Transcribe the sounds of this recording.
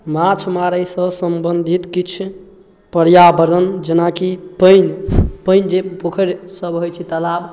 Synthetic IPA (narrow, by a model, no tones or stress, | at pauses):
mat͡ʃʰmaɾəjsəsəmbənd̪ʱit̪kit͡ʃʰ | pəɾjabəɾd̪ʱənd͡ʒenakipəjnpəjnd͡ʒepokʰəɾsəbɦojt͡ʃʰɛt̪əlab